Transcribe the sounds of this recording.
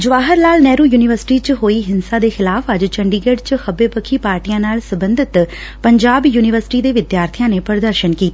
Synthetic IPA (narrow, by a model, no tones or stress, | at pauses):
d͡ʒʊʋaːɦəɾlaːlnɛːɾuːjuːnɪʋəɾsɪ̥ʈiːt͡ʃɦoːiːɦɪnsãːd̪eːxɪlaːfəd͡ʒt͡ʃəɳɖiːɡeɖt͡ʃxəbeːpəkʰiːpaːɾʈijãːnaːlsəbənd̪ɪt̪ | pəɲd͡ʒaːbjuːnɪʋəɾsɪ̥ʈiːd̪eːʋɪd̪jaːɾt̪ʰijãːneːpəɾd̪əɾʃənkiːt̪aː